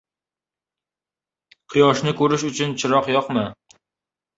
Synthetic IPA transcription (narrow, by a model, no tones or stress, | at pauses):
qʰɨjɒʃnɪkʰɵɾɪʃʊt͡ʃʰʊnt͡ʃʰɪɾɒqjɒqmɪ